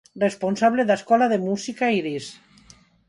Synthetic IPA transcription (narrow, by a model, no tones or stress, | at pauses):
responsaβleðaskɔlaðemusikaiɾis